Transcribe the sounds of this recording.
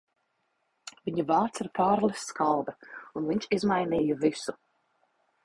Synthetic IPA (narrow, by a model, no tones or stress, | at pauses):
viɲuvaːɾt̪siɾpaːɾlʲˠɛsːkalˠd̪ɐunviɲʃizmajniːjuvisu